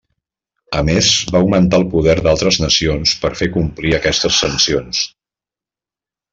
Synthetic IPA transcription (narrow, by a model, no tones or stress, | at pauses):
əmezβauwmənt̪aəlˠpuðɛɾd̪alˠt̪ɾəznəsionspəɾfekumpliəkɛst̪əsːənsions